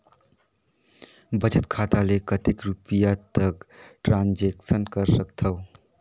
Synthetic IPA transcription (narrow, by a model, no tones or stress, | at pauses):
bəd͡ʒət̪kʰat̪alekət̪ekɾupijat̪əkʈɾãnd͡ʒeksənkəɾsəkt̪ʰəʊ